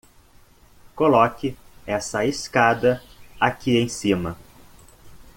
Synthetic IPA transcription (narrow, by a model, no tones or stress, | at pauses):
kolɔkɪɛsɐeskad̪ɐakiẽj̃sĩmɐ